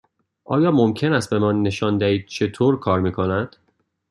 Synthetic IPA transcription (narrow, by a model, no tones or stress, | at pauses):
ʔɒ̰ːjɒːmomcʰe̞næst̪̚be̞mɒːnːe̞ʃɒːnd̪æiːd̪̥̚t͡ʃʰe̞t̪ʰoːɾkʰɒːɾmiːkʰo̞næd̪̥